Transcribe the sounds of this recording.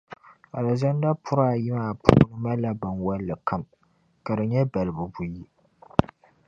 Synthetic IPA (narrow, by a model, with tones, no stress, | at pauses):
a˨la˨za˦n˦da˦pʰʊ˦ɾaː˦˨jɪ˦maː˨pʰʊ̰ː˦nɨ˦ma˦la˦ba˨nwa˦lːɨ˨ka˦m | ka˨dɨ˨ɲɛ˦ba˨lɨ˨bu˨bu˨ji˦